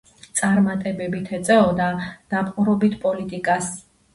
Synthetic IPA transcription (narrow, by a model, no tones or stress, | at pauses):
t̪sʼaɾmat̪ʼɛbɛbit̪ʰɛt̪sʼɛɔd̪ad̪̥apqʼuɾɔbit̪ʰpʼɔlit̪ʼikʼas